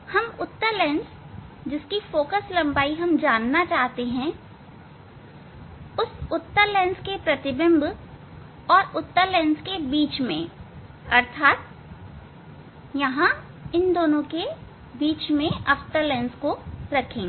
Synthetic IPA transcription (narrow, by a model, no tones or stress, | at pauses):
hɐmʊt̪ːəɾlɛ̃ːns | d͡ʒɪskifoːkəslɐ̃mbaːiɦɐmd͡ʒaːnːat͡ʃaːɦt̪eɦɛ̃ | ʊsʊt̪ːəɾlɛ̃ːnskepɾɐt̪ɪbɪ̃mb | ɔːɾʊt̪ːəɾlɛ̃ːnskebiːt͡ʃmḛ̃ | ɐɾt̪ʰaːt̪ | jɐɦã | ɪnd̪oːnõke | biːt͡ʃmẽɐft̪əɾlɛ̃ːnskoɾɐkʰẽːŋɡ